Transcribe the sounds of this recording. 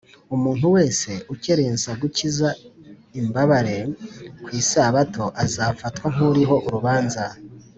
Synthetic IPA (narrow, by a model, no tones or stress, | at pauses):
umuːn̥huwe̞ːse̞ʔuce̞ɾe̞ːnzaɡuciza | imbaβaɾe̞kwiːsaβato̞ʔazafatkwaŋ̥uɾiɦo̞ʔuɾuβaːnza